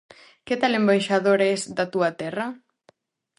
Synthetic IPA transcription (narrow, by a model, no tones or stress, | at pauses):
ket̪alembajʃaðoɾesd̪at̪uɐt̪ɛrɐ